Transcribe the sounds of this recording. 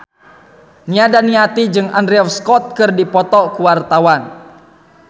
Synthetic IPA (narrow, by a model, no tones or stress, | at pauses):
niadaniat̪id͡ʒɨŋandɾɛɔfskɔt̪̚kɨrdipɔt̪ɔkuwart̪awan